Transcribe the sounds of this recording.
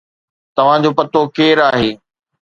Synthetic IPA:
t̪ɐʋ̤ãd͡ʑoːpɐt̪okeːɾaːɦeː

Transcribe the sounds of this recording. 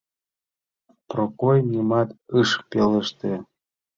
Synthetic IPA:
prokojnʲimɑt̪ɨʃpeləʃt̪e

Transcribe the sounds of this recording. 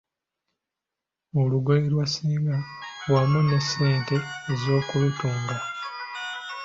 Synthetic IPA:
oluɡeiɾwasiːŋɡalwameneseːnte̞ːzo̞ːkuβetuːŋɡa

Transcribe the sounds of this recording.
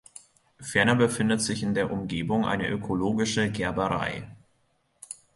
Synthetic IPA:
fɛɐnɐbəfɪndətz̥ɪçɪndeːɐʔʊmɡeːbʊŋʔa̰ɪnə̰ʔøkʰoloːɡɪʃəɡɛɐbəʁa̰ɪ

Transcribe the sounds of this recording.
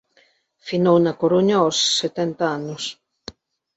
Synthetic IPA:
finownakoɾuɲaosːet̪ɛnt̪aanʊs

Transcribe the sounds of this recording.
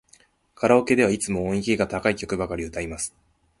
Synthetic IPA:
kʰaɾao̞ke̞d̪e̞β̞ait͡sɨmo̞õikʲiɡat̪akaikʲo̞kɯ̟bakaɾʲiɯ̟t̪aimasɨ̥

